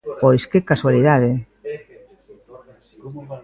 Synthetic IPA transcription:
pojskekaswaliðaðe

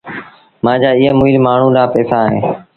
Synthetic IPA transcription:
mãːd͡ʒaːɪɦɛ̃ːmʊːilmaːɳ̤ũːɗaːpɛːsaːɦḛ̃ː

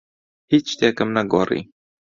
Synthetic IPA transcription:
hiːt͡ʃt̪eːkəmnɛɡoːrḭː

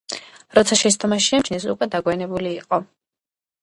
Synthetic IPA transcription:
ɾɔt̪sʰaʃɛs̬t̪ʰʼɔmaʃiamt͡ʃnɛs̬ukʼwɛd̪aɡwɛanɛbuliːqʼɔ

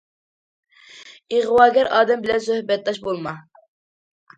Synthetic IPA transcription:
iʁwɑːɡʲɛɾɑːd̪ɛmbɪlɛnsøhbɛt̪̚d̪ɑʃbolˠmɑ

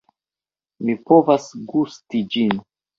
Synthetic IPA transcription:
mipovasɡustid͡ʒin

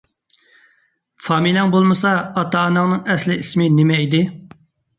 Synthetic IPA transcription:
fɑːmilɛŋbolˠmɨsɑːt̪ɑːnɑŋnɨŋɛslɪismɪnɪmɛid̪ɪ

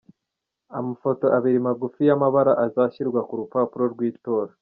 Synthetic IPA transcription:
amafo̞to̞ʔaβiɾimaɡufijamaβaɾaʔazaːçiɾɡwakuɾupaːpuɾo̞ɾɡwiːto̞ːɾa

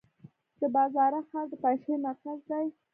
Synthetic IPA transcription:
d̪̥əbɑzɑɾaxɑɾd̪əpajʃejmaɾkazd̪aj

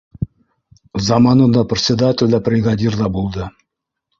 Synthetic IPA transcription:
zɑmɑnɤ̆nd̪ɑprʲɪt̪sʲɪd̪atʲɪlʲd̪æprʲɪɡadʲird̪ˠɑbulˠd̪ɤ

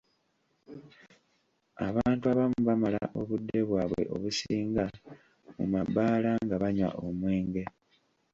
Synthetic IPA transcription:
aβaːntuaβamuβamala̰ʔo̞βudːe̞βwaːβwe̞̰ʔo̞̰βusiːŋɡa | mṵmabːaːlaŋɡaβaɲwa̰ʔomwe̞ːŋɡe̞

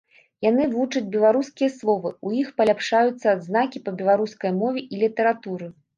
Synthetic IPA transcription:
janɨvut͡ʂɐd͡zʲbʲɛlˠaɾuskʲijɐslˠɔvɨujixpɐlʲapʂajut̪sːɐːd̪znakʲipɐbʲɛlˠaɾuskɐjmɔvʲɛʔilʲit̪ɐɾat̪uɾɨ

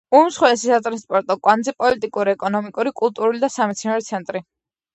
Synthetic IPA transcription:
umsχwɛɛsisat̪ʼɾanspʼɔɾt̪ʼɔkʼwand̪zɛpʼɔlit̪ʼikʼuɾiɛkʼɔnɔmikʼuɾikʼulˠt̪ʼuɾulid̪asamɛt̪sʰinaɾɔt̪sʰɛnt̪ʼɾi

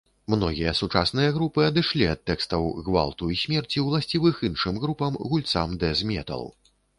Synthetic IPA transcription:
mnɔɣʲijɐsut͡ʂasnɨjɐɣɾupɨɐd̪ɨʂlʲiɐt̪ːɛkst̪ɐwɣva̰lˠt̪uisʲmʲɛrt͡sʲiwlˠasʲt͡sʲivɨxinʂɨmɣɾupɐmɣulʲt̪sa̰md̪ɛzʲmʲɛ̰t̪ɐ̰lˠ

